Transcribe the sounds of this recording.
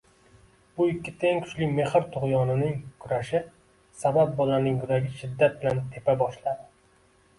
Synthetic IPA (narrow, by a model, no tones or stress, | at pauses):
bʊɪkʲʰːɪt̪ʰeŋkʰʊ̥t͡ʃlɪme̞hɪɾt̪ʰʊʁjɒnɪnɪŋkʰʊɾaʃɪ | sabap̚bɒlanɪŋjʊɾaɡʲɪʃɪd̪ːat̪̚bɪlant̪ʰe̞pabɒʃlad̪ɪ